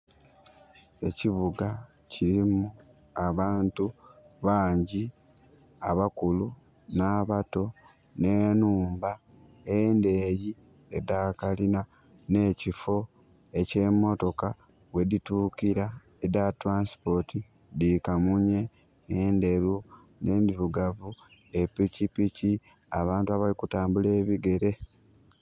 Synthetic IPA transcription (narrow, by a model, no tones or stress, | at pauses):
e̞ciβuɡa | ciɾimu | aβaːntu | βaːɲɟi | a̰βakulu | naːβato̞ | ne̞ːnuːmba | ende̞ːji | edakalina | ne̞ːcifo̞ | e̞ce̞ːmo̞to̞ka | we̞ditukiɾa | edatɾaːnsi̥po̞ti | dikamuɲe̞ː | nde̞ɾu | ne̞ːndiɾuɡavu | e̞picipici | a̰βaːntuaβalikutaːmbule̞ːβiɡe̞ɾe̞